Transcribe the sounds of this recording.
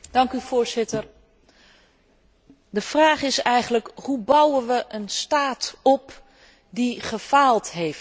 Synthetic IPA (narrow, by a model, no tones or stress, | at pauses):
d̥ɑŋkyv̥ʊːɹzɪtər | dəv̥raːχɪsɛjχənləkhubʌwənʋəʔənstaːtɔp | diχəfaːlˠtɦejf